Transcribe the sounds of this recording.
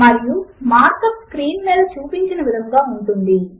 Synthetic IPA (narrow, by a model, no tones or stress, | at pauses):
mɐɾijumaːɾkɐpskɾiːnmiːd̪ɐt͡ʃuːpiɲt͡ʃinɐʋid̪ʱɐŋɡaːuɳʈund̪i